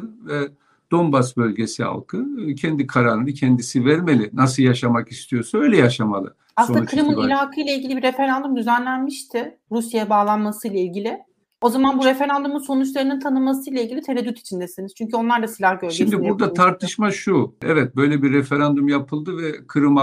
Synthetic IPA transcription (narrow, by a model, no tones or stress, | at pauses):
ɯnvɛ | d̪̥o̞nbasbø̞lʲɟesia̰lˠkʰɯcʰɛnd̪ikʰaɾaːɾɯnɯcʰɛnd̪isivæɾmelʲɪnasɯlˠjaʃamakist̪ʰijo̞saø̞jlʲɛjaʃama̰lˠɯ̰ | asonukʰɯɾɯmɯnilʲaːkʰɯjlˠailʲɟilʲibiɾe̞fe̞ɾand̪umd̪yzænlʲænmiʃt̪ʰɪ | ɾusjajabaːlˠanmasɯjlˠailʲɟilʲɪ | o̞zamanbuɾe̞fe̞ɾand̪umunso̞nut͡ʃlˠaɾɯnɯnt̪ʰanɯmasɯjlˠailʲɟilʲit̪ʰeɾed̪yt̪ʰi̥t͡ʃʰind̪ɛsiniz̥t͡ʃʰyɲcʰyo̞nlˠaɾd̪asilʲahɟø̞ɾʃimd̪ibuɾd̪at̪ʰaɾt̪ʰɯʃmaʃuɛ̰vɛt̪̚bø̞jlʲɛbiɾːefe̞ɾand̪umjapʰɯlˠd̪ɯvɛkʰɯɾɯma